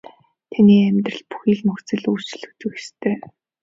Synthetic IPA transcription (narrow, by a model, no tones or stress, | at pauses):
t̪ʰaniːæmʲt̪rə̆ɮpu̥xiːɮmɵxt͡sɘ̆ɮu̥ːt͡ɕɪ̆ɮɵ̆kt̪ɵ̆kxe̥st̪ʰeː